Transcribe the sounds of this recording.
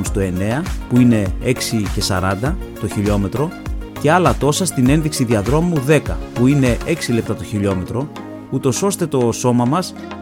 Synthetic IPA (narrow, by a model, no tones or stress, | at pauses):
nst̪o̞e̞ne̞ɐpuine̞e̞ksice̞sɐɾɐnd̪ɐt̪o̞çiʎo̞me̞t̪ɾo̞ce̞ɐlɐt̪o̞sɐst̪ine̞nðiksiðiɐðɾo̞muðe̞kɐpuine̞ʔe̞ksile̞p̚t̪ɐt̪o̞çiʎo̞met̪ɾo̞ | ut̪o̞so̞st̪e̞t̪o̞so̞mɐmɐs